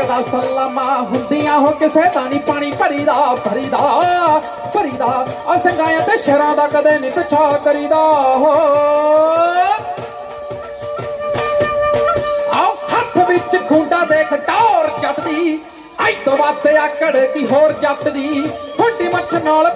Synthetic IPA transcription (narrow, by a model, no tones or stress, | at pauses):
d̪aːsəlːaːmãːɦʊ̃nd̪ijãːɦoːkesɛːt̪ãːniːpaːɽ̃iːpəɾiːd̪aːbʱəɾiːd̪aː | pəɾiːd̪aː | əsəŋɡãːjãːt̪eːʃɛɾãːd̪aːkəd̪eːnĩːpət͡ʃʰaːkəɾiːd̪aːɦo | aːkʰət̪ʰːbɪt͡ʃɡʱũːɳɖaːd̪eːkʰɖaːɾd͡ʒəʈd̪iː | ãːĩd̪õːʋaːeːaːkəɽeːkiɦoːɾd͡ʒəʈd̪iːkʰoːɖiːmət͡ʃʰnaːl